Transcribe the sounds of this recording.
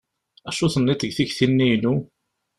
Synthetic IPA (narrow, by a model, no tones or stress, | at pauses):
æʃuθənːit̪əɡθiçθinːijnu